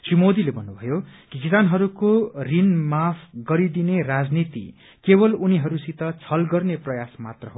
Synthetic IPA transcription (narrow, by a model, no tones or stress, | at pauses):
t͡simod̪ilebʱʌnːubʱʌjokikisanɦʌɾukorinmapʰɡʌɾid̪inerad͡znit̪ḭ | kebʌluniɦʌɾusit̪ʌt͡sʰʌlɡʌrneprʌjasmat̪rʌɦo